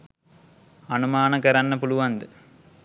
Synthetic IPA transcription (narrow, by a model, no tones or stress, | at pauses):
ɐnumaːnɐkɐɾɐnːɐpuluʋɐnd̪ɨ